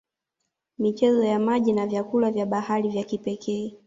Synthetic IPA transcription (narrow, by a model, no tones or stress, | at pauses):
mit͡ʃɛzɔjamaʄinavjakulavjaɓahaɾivjakipɛkʰɛː